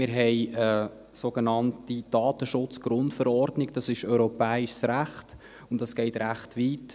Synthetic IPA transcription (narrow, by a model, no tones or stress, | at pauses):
mɪɾɦɛɪə | soɡ̥ənɑntid̥ɑːt̪əʃʊt͡sɡ̥ɾʊntfəɾɔrdnɪɡd̥ɑsɪʃœʏɾɔpɛːɪʃsɾæχt | ʊntdɑsɡ̥ɛɪtɾæχtʋiːt